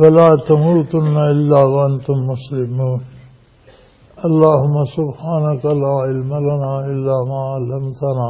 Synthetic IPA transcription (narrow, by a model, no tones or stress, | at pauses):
wɐlaːt̪ɐmuːt̪ʊnːaɪlːaːwɐɐnt̪ʊmːʊslɪmuːn | ʔɐlːaːɦʊmːasʊbhaːnakalaːʕɪlmalanaːʔɪlːaːmaːalːɐmt̪anaː